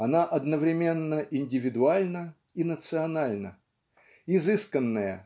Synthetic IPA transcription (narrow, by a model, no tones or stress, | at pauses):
ɐnaʔɐd̪nəvɾʲɪmʲe̞nːəʔɪnʲdʲɪvʲɪd̪ʊalʲnə | inət̪sɨɐnalʲnə | ɪzɨskənːəjə̰